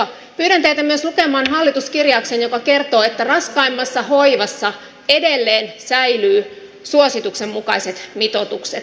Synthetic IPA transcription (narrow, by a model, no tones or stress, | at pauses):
pyːɾænt̪eit̪æmyøslukemɑːnɦɑlːit̪uskirjɑːksenjokɑkert̪oːet̪ːærɑskɑimːɑsːɑhoiʋɑsːɑ | edelːeːnsæilyː | suosit̪uksemːukɑiset̪mit̪ot̪ukset̪